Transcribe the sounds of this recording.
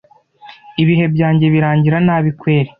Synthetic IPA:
iβiɦe̞bɟaːɲɟe̞βiɾaːɲɟiɾanaːβikwe̞ːɾe

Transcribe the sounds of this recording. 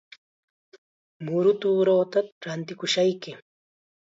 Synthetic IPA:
mʊɾʊt̪uːɾoːt̪aɾant̪ɪkʊʃajkɪ

